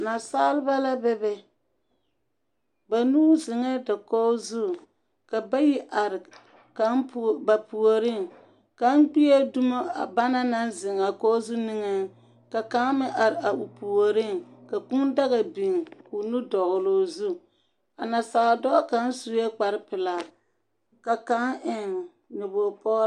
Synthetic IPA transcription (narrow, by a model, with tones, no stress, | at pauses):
na˨saː˦lɪ˦ba˦la˦bɛ˦bɛ˦ | ba˨nuː˦zɪ˨ŋɛ˦da˨kɔ˦zu˦ | ka˨ba˦ji˦ʔa˨ɾɪ˨ | ka˨˦npba˨pu˨o˨ɾɪ˦˨ŋ | ka˨˦n˦k͡pi˦je˦du˦ma˦a̰˨ba˦na˦na˦nzɪ˨ŋa˨kɔ˦zu˦ni˦ŋɛ˦ŋ˦ | ka˨ka˦mɪ˦ʔa˨ɾɪ˨ʔa˨ʔu˨pu˨o˨ɾɪ˦˨ŋka˨ku˦nda˦ɣa˨bi˨ŋku˨nu˦dɔ˨ɣʊ˨loː˦zu˦ | a˨na˨sa˨ɣa˨dɔ˦ka˦n˦su˨˦je˦k͡pa˨ɾɪ˦pɪ˨la˨ | ka˨ka˦ŋʔɪ˨ŋ | nʊ˨bo˨pɔ˦ɾ